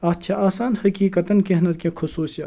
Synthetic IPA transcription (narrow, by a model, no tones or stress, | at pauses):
ɐtːʃʰaʔaːsaːnhɐkiːkɐt̪ɐnkeɦnɐt̪̚kʲẽkʰusuːsjɐ